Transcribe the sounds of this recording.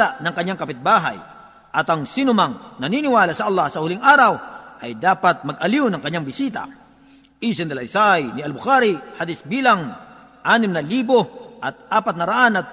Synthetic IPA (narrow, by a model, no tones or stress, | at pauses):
anɐŋkɐɲːaŋkɐpɪt̪̚baːɦa̰j | ʔɐt̪ɐŋsinʊmaŋnɐninɪwaːlasɐʔɐlˠːɑhsɐhʊlɪŋʔaːɾawʔɐjd̪aːpat̪̚mɐɡɐliwnɐŋkɐɲːaŋbɪsiːt̪a̰ | ʔisɪnd̪ɐlɐjsajnɪɐlbʊkaɾihad̪ɪsbiːlaŋ | ʔaːnɪmnɐliːboʔɐt̪̚ʔaːpat̪̚nɐɾaʔanɐt̪̚